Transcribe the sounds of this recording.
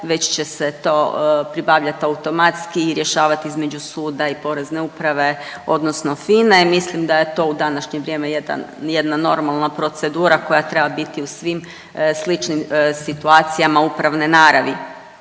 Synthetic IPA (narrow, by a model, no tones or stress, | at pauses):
ʋe̞t͡ɕt͡ɕe̞set̪o̞ːpɾibaːʋʎat̪aut̪o̞mat̪skiːɾjeʃaːʋat̪iizme̞d͡ʒusuːd̪aipo̞ɾe̞zne̞upɾaʋe̞o̞̰d̪no̞sno̞finemislimd̪aje̞t̪o̞ud̪anaʃɲeʋɾʲjemejed̪a̰nje̞d̪nano̞ɾmalˠnapɾo̞t̪se̞d̪uːɾako̞jat̪ɾe̞babit̪iusʋim | slit͡ʃnimsit̪uaːt̪sijamaupɾaʋnenaːɾaʋi